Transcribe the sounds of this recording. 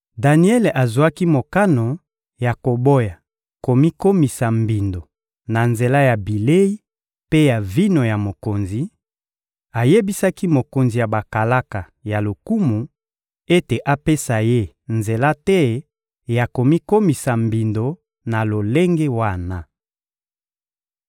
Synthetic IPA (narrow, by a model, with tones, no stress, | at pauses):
da˨ni˦ɛ˦le˨ʔa˨zu˨a˦ki˦mo˨ka˦no˨ | ja˨ko˨bo˦ja˨ | ko˨mi˦ko˦mi˨sa˨mbi˨ndo˨ | na˨nze˨la˦ja˨bi˨le˦i˦ | pe˦ja˨vi˦no˨ja˨mo˨ko˨nzi˨ | a˨je˦bi˦sa˦ki˦mo˨ko˨nzi˨ja˨ba˨ka˨la˦ka˨ | ja˨lo˨ku˦mu˨ | e˦te˨ʔa˦pe˦sa˨je˦ | nze˨la˦tɛ˦ | ja˨ko˨mi˦ko˦mi˨sa˨mbi˨ndo˨ | na˨lo˨le˦ŋɡe˦wa˦˨na˨